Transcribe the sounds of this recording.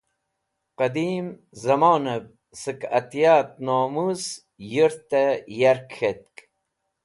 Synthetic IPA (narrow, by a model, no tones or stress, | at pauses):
qɐd̪iːm | zɐmoːnɐb̚ | sɨkɐ̰t̪jaːt̪̚noːmuz | jiɾt̪ejaɾkxet̪̚k